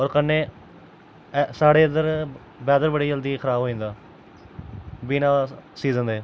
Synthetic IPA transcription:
ɔːɾkənːeː | saːɽeːənd̪əɾ | bɛːd̪əɾbəɽiːd͡ʒəld̪iːkʰəɾaːboːĩːnd̪aː | biːnaːsiːzəneː

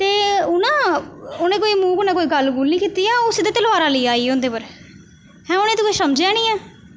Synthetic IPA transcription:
t̪eːʊnãːʊnẽːkoːiːmuːkʊnãːkoːiːɡəlɡuːlnĩːkiːt̪iːaːʊsed̪eːt̪əlʋaːɾaːləiːaːiːʊnd̪eːpəɾ | hɛ̃ːʊnẽt̪okoisəmd͡ʒãːnĩːɛː

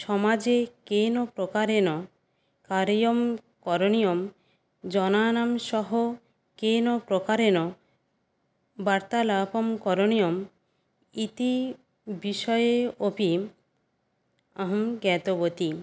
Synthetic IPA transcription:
ʃɔmad͡ʑekenopɾokaɾenɔ | kaɾijom | kɔɾoniom | d͡ʑɔnanamʃɔɦo | kenopɾokaɾenɔ | baɾt̪alapomkɔɾonijom | it̪i | biʃɔjeopi | aɦmɡɛt̪obot̪i

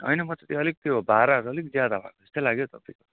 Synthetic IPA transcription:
ʌ̰jnʌmʌt͡sʌt̪iʌlik̚t̪joɦobaɾaɾuʌlikd͡zjad̪abʱa̰koe̥st̪ojlaɡjot̪ʌpaiko

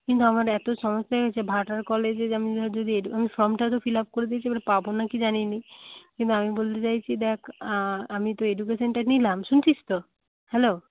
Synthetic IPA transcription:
kint̪̬uamaɾɛt̪oʃɔmɔst̪aɛɡet͡ɕʰebʱaʈaɾkɔled͡ʑeamid͡ʑod̪ʱieɖuamifɾɔmʈat̪̬ofilap̚koɾet̪iet͡ɕʰibalepabonakid͡ʑaninikint̪uamibolt̪et͡ɕajt͡ɕʰid̪ɛkʰamit̪oeɖuk̬esonʈanilamʃunt͡ɕist̪o | hɛlo

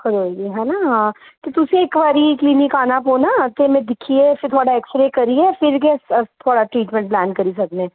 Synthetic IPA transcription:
kɐɾoːd͡ʒeɦɛːnaɦãːt̪ot̪ʊseeːkʋaːɾikliːnɪkaːnapoːnat̪emɛ̃d̪ɪkʰːiɛfɪɾt̪ʰoːɽaɛːksɾeːkɐɾiɛfɪɾɡɛst̪ʰoːɽaʈɾiːʈmɛ̃ɳʈ̚plɛːnkɐɾis̬ɐɡneɛ̃ː

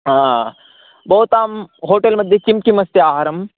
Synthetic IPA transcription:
a | bɐɦut̪aːmɦoːʈelmɐd̪ʱːjekimkimɐst̪iaːɦaɾɐm

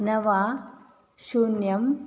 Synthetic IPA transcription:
nɐʋaː | ʃunjɐm

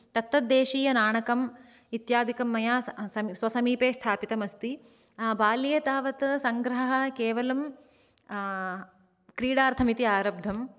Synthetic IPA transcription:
t̪ɐt̪ːɐd̪eːʃiːjɐnaːɳɐkɐm | it̪jaːd̪ʱikɐmːɐjaːɐsʋɐsɐmiːpeːst̪ʰaːpit̪ɐmɐst̪i | baːlijɐt̪aːʋɐt̪sɐŋɡɾɐɦɐɦɐkeːʋɐlɐm | kɾiːɽaːɾt̪ʰɐmit̪iaːɾɐb̚d̪ʱɐm

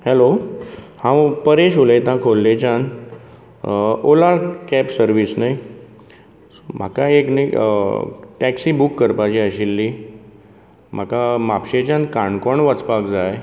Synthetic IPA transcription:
hɛlo | hãwpəɾeɕulet̪ãkʰolːet͡ɕan | olakɛpsəɾʋisnai | sm̤akaeknai | ʈɛksibukːəɾpat͡ɕiəɕilːi | m̤akamapɕet͡ɕãnkaɳkɔɳʋət͡spakd͡zaj

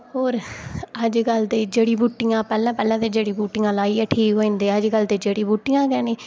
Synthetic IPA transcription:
ɦoːɾəd͡ʒkəld̪eːd͡ʒeːɽiːbuːʈːɪjãːpɛːlãːpɛːlãːt̪eːd͡ʒeːɽiːbuːʈːɪãːlaːiːɛːʈʰiːkɦoːĩnd̪eːəd͡ʒkəld̪eːd͡ʒeːɽiːbuːʈːɪjãːkɛːniː

